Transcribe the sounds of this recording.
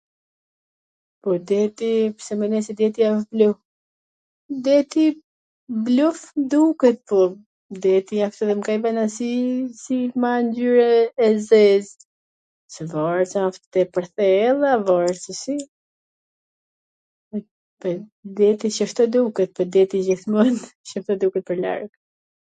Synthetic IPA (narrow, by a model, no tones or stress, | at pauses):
pɔɾd̪ɛt̪ipsɛmɛnɛsɛd̪ɛt̪ijafbluf | d̪ɛt̪i | blufd̪ukɛt̪̚pɔ | d̪ɛt̪iɲakt̪ɔðɛmkajvanasisimanɟyɾɛːzɛz | sɛvɔɾt͡saaft̪t̪ɛpəɾθɛlˠavɔɾt͡səsi | ɛ | pɛd̪ɛt̪iʃəʃt̪ɔd̪ukət̪̚pɔd̪ɛt̪id͡ʑiθmɔnʃəft̪ɔd̪ukət̪̚pəɾla̰ɾɡ